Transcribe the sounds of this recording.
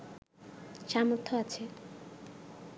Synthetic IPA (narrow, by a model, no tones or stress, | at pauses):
ʃamot̪ʰːɔat͡ɕʰe